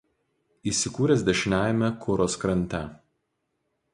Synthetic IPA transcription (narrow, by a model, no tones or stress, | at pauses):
iːsʲɪkuːɾʲɛs̬d̪ʲɛʃʲɪnʲæːjɛmʲɛkʰʊɾoːskɾɐnʲˑt̪ʲɛ